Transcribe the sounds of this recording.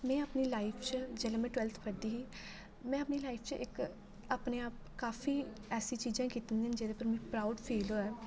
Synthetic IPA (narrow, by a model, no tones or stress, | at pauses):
mɛ̃ːəpniːlaːɪpʰt͡ʃd͡ʒɛːlẽːmɛ̃ːʈwɛːlt̪ʰpʰəd̪iːɦiː | mɛ̃ːəpniːlaːipʰt͡ʃɪk | aːpneːaːp̚ | kaːfiː | ɛːsiːt͡ʃiːd͡ʒãːkiːt̪ənd̪iːnd͡ʒeːd̪eːpəɾmɛ̃ːpɾaːʊɖpʰiːloːɛː